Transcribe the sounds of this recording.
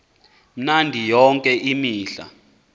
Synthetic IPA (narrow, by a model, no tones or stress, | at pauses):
m̩nandʱijɔŋkʼɛʔimiːɬa̰